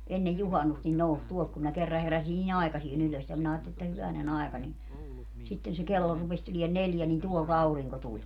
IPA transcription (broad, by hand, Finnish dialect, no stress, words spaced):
enːej juhɑnːust nin nous tuolt kum minæ kerːɑ heræsin nin ɑikɑsien yløs jɑ minæ ɑːtːeli etːæ hyʋænen ɑekɑ ni sitːen se kelːo rupes tulien neljæ nin tuolt ɑuriŋko tulʲ